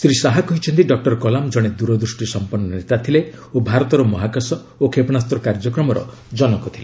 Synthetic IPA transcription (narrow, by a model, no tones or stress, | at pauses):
sɾisaɦakɔɦit͡ʃʰɔnt̪iɖɔk̚ʈɔɾkɔlamd͡ʒɔɽ̃ed̪uɾɔd̪ɾusʈisɔmpɔnːɔnɾet̪at̪ʰileobʱaɾɔt̪ɔɾɔmɔɦakasɔ | okʰepɔnast̪ɾɔkaɾd͡ʒɔkɾɔmɔɾɔ̰ | d͡ʒɔnɔkɔt̪ʰile